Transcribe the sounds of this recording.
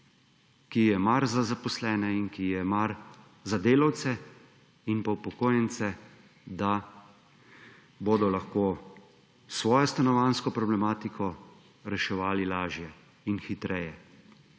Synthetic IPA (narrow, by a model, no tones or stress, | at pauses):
kijɛmaɾzazapɔslɛːnɛinkijɛmaɾ | zad̪eːlawt̪sɛ | inpawpɔkoːjɛnt̪sɛ | d̪a | boːd̪ɔlaxkoː | sʋɔːjɔst̪anɔʋanskɔpɾɔblɛmaːt̪ikʰɔ | ɾɛʃɛʋaːlilaːʒjɛ | inxit̪ɾɛjɛ